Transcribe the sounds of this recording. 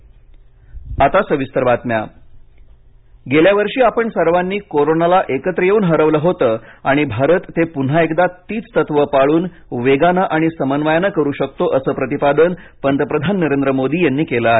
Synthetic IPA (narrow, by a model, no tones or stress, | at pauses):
at̪asəʋist̪əɾbat̪mja̰ | ɡeljaʋəɾʂiːapəɳsəɾʋanːiːkoɾonalaʔekət̪ɾəjeuːnɦəɾəʋləɦot̪əːaɽ̃ibʱaɾət̪ːepun̤aekd̪at̪iːt͡st̪ət̪ʋəpaɭuːn | ʋeɡanaʔaɽ̃isəmənʋajanəkəɾuːɕək̚t̪oʔəsəːpɾət̪ipad̪ənpənt̪əpɾəd̪ʱanːəɾend̪ɾəmod̪iːjanːiːkeləe